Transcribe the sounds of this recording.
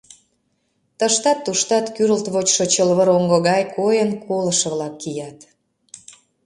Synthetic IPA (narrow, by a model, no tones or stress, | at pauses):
t̪əʃt̪ɑt̪ːuʃt̪ɑt̪kyɾəlt̪βot͡ɕʃot͡ɕəlβəɾoŋɡoɣɑjkojənkʰoləʃə̆βlɑkːijɑt̪